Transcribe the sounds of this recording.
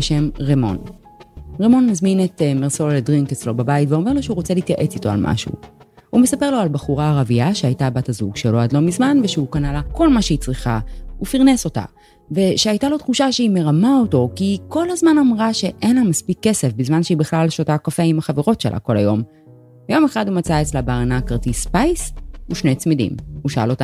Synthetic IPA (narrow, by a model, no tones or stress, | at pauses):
beʃe̞mʁemo̞̰n | ʁemo̞nmazminetemeʁso̞ledʁiŋket͡slo̞babajitveo̞me̞ʁlo̞ʃeuʁot͡seliːtjaʔe̞t͡sito̞a̰lmʔa̰ʃṵ | hume̞sape̞ʁlo̞albaχuʁaːʁaviaʃeajtabatazuɡʃelo̞adlo̞mizmanveʃeukanalako̞lmaʃeit͡sʁiχa̰ufiʁneso̞ta̰ | ve̞ʃeajtalo̞tχuʃaʃeime̞ʁamaoto̞kiko̞lazmanamʁaʃe̞ʔenlamaspikːe̞se̞fbizmanʃeibiχlalʃotakafeimaχaveʁo̞tʃelʔa̰ko̞la̰jo̞m | jo̞me̞χadhumat͡saet͡slabeːʁanakaʁt̪ispajsuʃnejt͡smidḭmuʃaa̰lo̞ta